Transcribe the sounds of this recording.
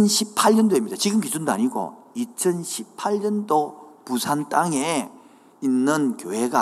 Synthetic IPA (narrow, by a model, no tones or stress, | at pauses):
nɕʰipʰaʎɲʌndoimɲid̥at͡ɕiɡɯmkid͡ʑundoa̰ɲiɡo̰ | it͡ɕʰʌnɕʰipʰaʎɲʌndopusʰant͈aŋe | inːɯnkjoɦe̞ɡa